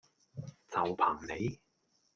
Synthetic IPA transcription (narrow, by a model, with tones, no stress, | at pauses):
t͡sɐ˨˩wpʰaː˨˩ŋne˨˧j